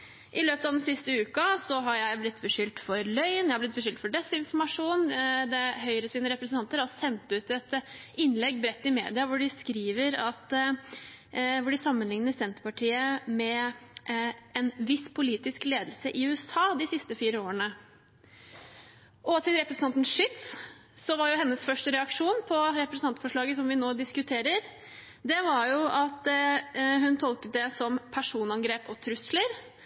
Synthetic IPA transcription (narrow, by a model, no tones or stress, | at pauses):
ʔɪløːpət̪ɑʋd̪ɛnsɪst̪əʉːkɑsɔɦɑɾjæɪblɪt̪ːbəʂʏlt̪fɔɾlœʏnjæhɑblɪt̪̚bəʂʏlt̪fɔɖɛsːɪnfɔmɑʂuːnd̪ɛɦœʏɾəsiːnəɾɛpɾəsnʰɑnt̪əɾhɑɾsɛnt̪ʉːt̪ɛt̪ɪnlɛɡːbɾɛt̪ːɪmḛːd̪ɪɑʋʊɖɪskɾiːʋəɾɑt̪ | ʋʊɖɪsɑmːənlɪŋnəɾsɛnt̪ɾəpɑʈʰiːəmɛ | ɛnʋɪspʰʊliːt̪ɪskleːd̪lsəʔɪʉːəsɑːd̪ɪsɪst̪əfiːɾəoːɾənə | ʔɔt̪ʰɪlɾɛpɾəsn̩ɑnt̪n̩ʂʏt̪s | sɔʋɑɾjʊɦɛnːəsfœʂʈəɾɛɑkʂuːnpʰɔɾɛpɾəsn̩ɑnt̪fɔʂɭɑːɡəsɔmʋɪnoːd̪ɪskʉt̪ʰeːɾəɾ | d̪ɛʋɑɾjʊɑt̪ | ɦʉnt̪ʰɔlkət̪̚d̪ɛsɔmpʰæʂuːnɑnɡɾeːpɔt̪ʰɾʉsləɾ